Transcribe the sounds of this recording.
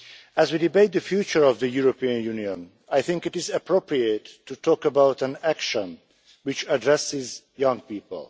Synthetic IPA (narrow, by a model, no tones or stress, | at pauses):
æzwidibeɪt̪̚d̪əfjuːt͡ʃəɹɔvd̪əjuɹopiə̃njuːniɔ̃n | ajθɪ̃ŋkɪtɪzəpʰɹopɹietʰːutʰɔːkəbawtæ̃nækʃə̃n | wɪt͡ʃədɹɛsɪz | jʌ̃ŋɡ̚piːpə̰lˠ